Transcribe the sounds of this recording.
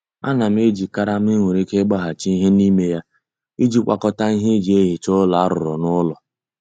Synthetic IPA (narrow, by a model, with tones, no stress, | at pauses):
a̰˦na˨m̩˦e˦d͡ʒi˨ka˦ɾa˦m̩˦ɪ˦ŋʷe˨ɾe˦ke˦ɡ͡ba˦ɦa˨t͡ʃi˦i˦ɦe˦ni˦me˦ja˦ | i˦d͡ʒi˦kʷa̰˨kɔ˦ta˦i˦ɦe˦d͡ʒi˨e˦ɦi˨t͡ʃʊ˦la˨a˦ɾʊ̰˨ɾɔ̰˨nʊ˦lɔ˨